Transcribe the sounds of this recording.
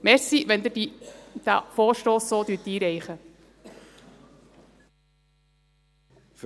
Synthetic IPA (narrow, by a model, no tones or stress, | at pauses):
mɛɾsiʋɛnd̪ədid̪̥æ̰foːɾʃtoːssoːd̪yːtiːɾɛɪχə | f